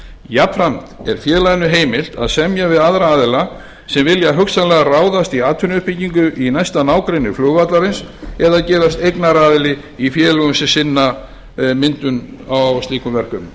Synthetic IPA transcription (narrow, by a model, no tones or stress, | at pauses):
japfɾamt̪ɛɾ̥fjɛːlaðnʏɦeːjmɪl̥t̪a̰ðsɛmjavɪðaðɾaaːðɪla | sɛmvɪljaɦʏksanlɛɣaraːwðast̪iaːt̪ʰʏnɪʏhpiciŋkʏʔinajst̪anaːwkɾejnʏflʏːɣvat̪laɾɪnsɛðaðcɛːðast̪ejknaɾaːðɪlɪ | ifjɛːlʏɣʏmsɪsɪnːa | mɪnt̪ʏnawwst̪liːkʏmvɛr̥kʏm